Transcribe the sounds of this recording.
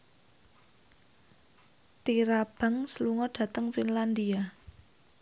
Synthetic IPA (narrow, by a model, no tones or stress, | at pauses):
t̪iɾab̥a̤ŋsəluŋɔɖ̥ä̤t̪əŋfinland̪ia